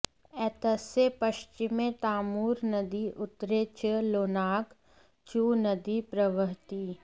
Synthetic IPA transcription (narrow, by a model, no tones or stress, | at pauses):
ɛːt̪əsepɐʃt͡ʃɪmẽt̪aːmuːɾnɐd̪iʔʊt̪ɾeːt͡ʃəloːnaːk | t͡ʃuːnəd̪ipɾəʋəɦt̪iː